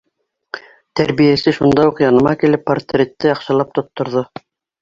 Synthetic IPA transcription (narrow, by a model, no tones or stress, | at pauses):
t̪ʰæɾβijæsɘʃund̪ɑjuqjɑnɤ̆mɑkilɘpːart̪rʲet̪ːɘɑqʃɑlˠɑp̚t̪ŏt̪ːŏɾðo